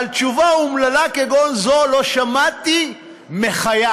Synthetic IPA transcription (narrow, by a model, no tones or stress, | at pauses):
alt͡ʃuvaumlalakeɡonzolo̞ʃamat̪i | meχaja